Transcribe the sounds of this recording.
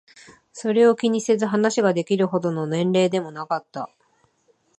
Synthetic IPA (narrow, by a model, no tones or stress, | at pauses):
so̞ɾe̞o̞kʲiɲ̟ise̞zɨɦanaɕiɡad̪e̞kʲiɾɯ̟ɦo̞d̪o̞no̞nẽ̞nɾe̞ːd̪e̞mo̞nakat̪ːa̰